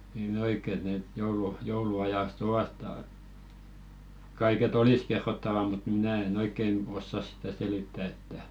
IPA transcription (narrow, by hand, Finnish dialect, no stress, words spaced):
niːn oikˑe et net joulu jouluɑjɑst oʋɑt tɑ kɑiket olis kerːotːɑʋɑ mut minæˑ en oikːen osːɑs sĭtæ selitːæ etːæ